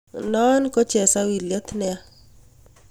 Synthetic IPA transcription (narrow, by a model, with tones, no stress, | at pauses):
nɔ˦nkɔ˦t͡ʃɛ˨sa˦wi˨ljɔ˦t̪nɛ˦a˦